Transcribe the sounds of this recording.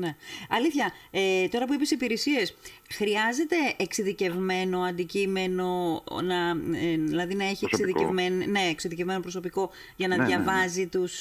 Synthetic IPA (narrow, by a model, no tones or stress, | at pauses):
ne̞ɐliθçɐet̪o̞ɾɐp̬uipesipiɾesie̞s | xɾiɐze̞t̪e̞ːksiðice̞vme̞no̞ɐnd̪icime̞no̞nɐðilɐðinɐe̞çieksiðicevmenne̞ːksiðice̞vme̞nopɾo̞s̬o̞piko̞ | ʝɐnɐðʝɐvɐzit̪us